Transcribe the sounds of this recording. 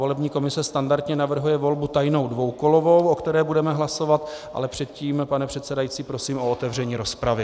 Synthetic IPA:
o̞lɛbɲiːko̞mɪsɛst̪andaɾt̪ɲɛnavr̩ɦujɛvo̞lbut̪ajno̞wdvowkolo̞vo̞wʔokt̪ɛɾɛːbudɛmɛɦlaso̞vat̪ʔa̰lɛpr̥ɛt̪̚ciːmpanɛpr̥ɛt̪sɛdajiːt͡siːpɾo̞siːmʔo̞ot̪ɛvr̝ɛɲiːɾo̞spɾavɪ

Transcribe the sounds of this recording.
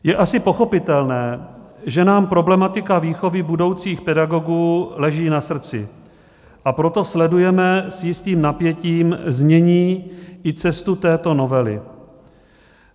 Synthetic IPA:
jɛʔasɪpo̞xo̞pɪt̪ɛlnɛː | ʒɛnaːmpɾo̞blɛmat̪ɪkaviːxo̞vɪbudo̞wt͡siːxpɛdaɡo̞ɡuːlɛʒiːnasr̩t͡sɪ̰ | ʔapɾo̞t̪oslɛdujɛmɛsjɪst̪iːmnapjɛciːmzɲɛɲiːɪt͡sɛst̪ut̪ɛːt̪o̞no̞vɛlɪ̰

